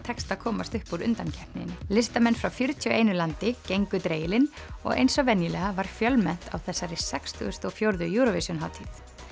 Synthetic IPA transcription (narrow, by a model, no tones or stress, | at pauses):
t̪ʰɛkst̪akʰɔːmast̪ʏhpuɾʏ̰nt̪ancʰɛpnɪ̰nlɪst̪amɛnːfɾawfjʏɾt̪ʰjœʔejnʏlant̪ɪcejŋkʏt̪ɾeːjɪlɪnɔ̰ɣḛjnsɔvɛnjɪlɛɣavaɾ̥fjœlmɛn̥t̪a̰wθɛsːaɾɪsɛkst̪ʰʏʏst̪ɔɣfjowɾðʏjuːɾɔvesʏnɦawt̪ʰiθ